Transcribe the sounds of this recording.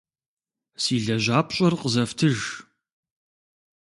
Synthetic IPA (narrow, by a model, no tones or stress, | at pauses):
siːɮɐʑaːpɕʼɐrqəzɐftʰɨʒ